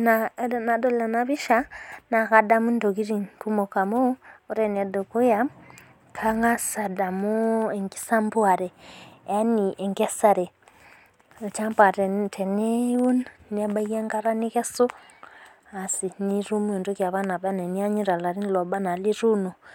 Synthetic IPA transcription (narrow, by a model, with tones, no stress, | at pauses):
na˨na˨dɔ˦la˨na˨βi˦ʃa˦na˨ka˨da˨mu˦n˦do˨ki˦ɾi˨ŋku˦mɔ˨ka˨moː˦ɾɛ˨n˨ɛ˨dɔ˨ku˦ja˦ | kʰa˦ŋɡa˦sa˨da˨mu˦ɛ˨ŋɡi̥˦sa˦mbwa˨ɾɛ˨a˦ni˨ʔɛ˨ŋɡɛ˦sa˨ɾɛ˨ | t͡ʃa˦mba˨ɾɛ˨tʰɛ˨nɛ˦u˦nnɛ˦ba˦ɣa˦ŋɡa˦ɾa˦ni˦kɛ˦so˦ | a˨si˨ni˦ɾu˦mu˦ɛ˨ndu˦kja˨βa˦na˨βa˦nɛ˨ni˦a˦ɲi˦ɾa˨la˨ɾi˦n˦lɔ˨ba˦na˨li˦ɾu˦nɔ˨